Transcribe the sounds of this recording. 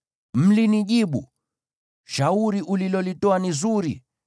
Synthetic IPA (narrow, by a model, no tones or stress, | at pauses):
m̩liniʄiɓṵ | ʃauɾiʔulilɔlitɔanizuɾḭ